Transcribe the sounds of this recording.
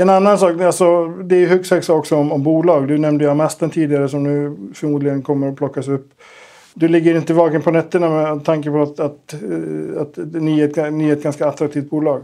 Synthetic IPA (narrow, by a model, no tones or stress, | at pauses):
ɛnanːansɑːkalsɔd̪ɛæɾjɵhɵkshœksɑːkɔksɔɔmɔmbuːlɑːɡd̪ɵnɛmd̪əjamɛst̪ənt̪ʰiːd̪ɪɡaɾəsɔmnʉ̟ːfœɾmuːd̪lɪɡənkʰɔmːəɾɔpʰlɔkːasɵpː | d̪ɵlɪɡːəɾɪnt̪əvɑːkənpʰɔnɛt̪ːəɳamɛt̪ʰːaŋkəpʰɔat̪at̪ | at̪nyːeːt̪̚ɡnyːeːɛt̪̚ɡanskaːt̪ːɾak̚t̪ʰiːft̪̚buːlɑːɡ